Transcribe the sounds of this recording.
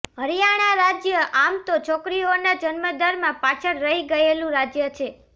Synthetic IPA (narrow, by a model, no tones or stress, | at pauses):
ɦəɾijaɽ̃aɾad͡ʒjəʔamt̪ot͡ʃʰɔkɾionad͡ʒənməd̪aɾmãpat͡ʃʰəɾːəɦiɡəelũɾad͡ʒjət͡ʃʰe